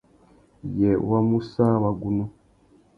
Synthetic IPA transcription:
je˨wa˦mu˦sa˦wa˨ɡu˨nu˦

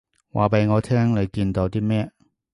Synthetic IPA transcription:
waː˨˩pe˨jŋɔː˨˧t̪ʰɛː˥ŋne˨˧jkiː˧nt̪o˨˧wt̪iː˥mɛː˥

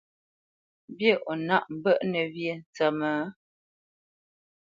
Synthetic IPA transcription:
bje˦˨ʔɔ˨na˦˨ʔm̩˨bə˦ʔnə˨bje˦˨n̩˨t͡sə˨mə˨˦

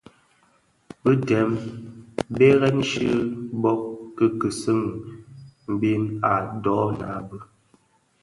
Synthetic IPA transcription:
bə˦tɛ˨˦m | be˦ɣɛ˦n˦ʃḭ˦bɔ˦k̚ːə˦kə˨sɨ˦ŋ | m̩˦bi˦na˨dɔ˨˦na̰˨˦bə˦

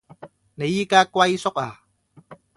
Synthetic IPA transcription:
ne˨˦jiː˦˥kaː˥kwa˧jsʊ˥k̚aː˨˩

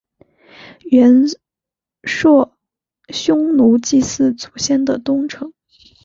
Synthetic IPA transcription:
ɥɛ˧˥n | ʂwɔ˥˩ | ɕjʊ˥ŋnu˧˥t͡ɕi˥˧sɹ̩˥˩t͡su̥˨˩ɕjɛ˥˩nd̪ə˨˩t̪ʊ˥ŋʈ͡ʂʰɤ˧˥ŋ

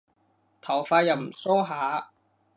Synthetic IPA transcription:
t̪ʰɐ˨˩wfaː˧jɐ˨˩wm̩˨˩sɔː˥ɦaː˨˥

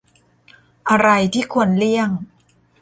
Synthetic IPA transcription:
ʔa˧ɾa˧jt̪ʰiː˥˩kʰu˧ənli˥˩əŋ

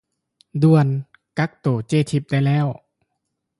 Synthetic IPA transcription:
du˧ən | ka˧˦˥k̚t̪oː˨˩˦t͡ɕeː˧˥˨t̪ʰi˧˩p̚da˧˩˨jlɛː˥˨w

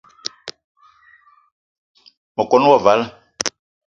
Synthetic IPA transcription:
mɔ˨kɔ˨˦nɔ˦wɔ˨va˨˦la˦

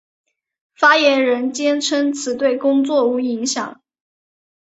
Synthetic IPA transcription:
fa˥jɛ˧˥nɻə˧˥nt͡ɕjɛ˥nʈ͡ʂʰə˥ŋt͡sʰɹ̩˨˩t̪we˥˩ɪkʊ˥ŋt͡swɔ˥˩u˧˥i˧˥ŋɕjɑ̰˨˩˦ŋ

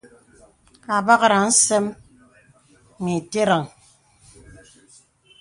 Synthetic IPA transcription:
a˨ba˦ɣɾa˨n̩˦se˦m | mi˨te˦ɾa˨ŋ

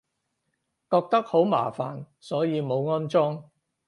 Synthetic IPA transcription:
kɔː˧k̚t̪ɐ˥k̚ho˨˥wma̰ː˨˩fa̰ː˨˩n | sɔː˨˥jiː˨˧mo˨˧wŋɔː˥nt͡sɔː˥ŋ

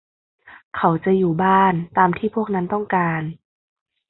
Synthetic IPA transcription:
kʰa˨˩˦wt͡ɕa˧˨juː˨˩baː˥˩nt̪aː˧mt̪ʰiː˥˩pʰu˥˩ək̚na˦˥nt̪ɔ˥˩ŋkaː˧n

